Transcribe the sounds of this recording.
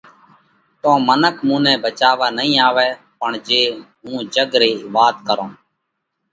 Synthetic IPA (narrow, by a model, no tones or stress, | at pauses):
t̪õːmənəkʰmũːnɛ̃ːbət͡ʃaːʋaːnəɦĩːaːʋɛː | pəɳd͡ʒeːɦũːd͡ʒəɡɾeːʋaːt̪kəɾõː